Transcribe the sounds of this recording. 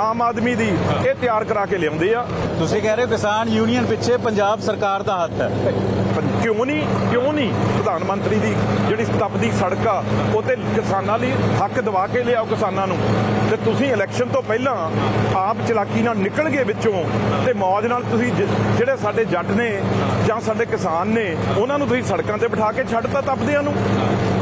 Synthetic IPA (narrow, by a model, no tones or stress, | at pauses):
aːmaːd̪miːd̪iːeːt̪ɪjaːɾkəɾaːkeːlejãʊ̃nd̪eːaːt̪ʊsĩːkɛːɾeːoːkɪsaːnjuːnijənpɪtːʃʰeːpəɲd͡ʒaːbsəɾkaːɾd̪aːɦət̪ʰːɛː | kɪjõːniːkjõːniːpɾəd̪aːnmənt̪ɾiːd̪iːd͡ʒeːɽiːt̪əpd̪iːsəɽkaːot̪eːkɪsaːnãːliːɦəkʰd̪əʋaːkeːleːaːoːkɪsaːnãːnũːt̪eːt̪ʊsĩːɪlɛːkʃənt̪õːpɛːlãːaːpt͡ʃəlaːkːiːnaːlnɪkəlɡeːʋɪt͡ʃõːt̪eːmɔːd͡ʒnaːlt̪ʊsĩːd͡ʒeːɽeːsaːɖeːd͡ʒəɖneːd͡ʒãːsaːɖeːkɪsaːnːeːʊnãːnũːt̪ʊsĩːsəɽkãːt̪eːpəʈʰaːkeːt͡ʃʰəɖt̪ãːt̪əpd̪eãːnũː